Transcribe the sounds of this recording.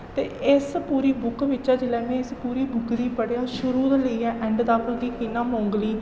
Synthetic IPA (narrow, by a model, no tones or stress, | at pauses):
t̪eːɪspuːɾiːbʊkʋɪʃaːt͡ʃəlɛːʋẽːɪspuːɾiːbʊkɾiːpəɽjaːʃʊɾuːd̪eləiːɛ̃ːʔɛ̃ːɳɖd̪aːpəɡiːkɪnãːmõːŋɡliː